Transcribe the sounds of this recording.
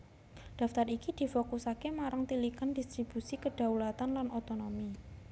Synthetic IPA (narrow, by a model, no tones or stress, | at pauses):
ɖ̪̥a̤ft̪arikid̪̥i̤fokusakemaɾaŋt̪ilikandist̪ɾib̥usikəɖ̥a̤wlat̪anlanʔot̪onomi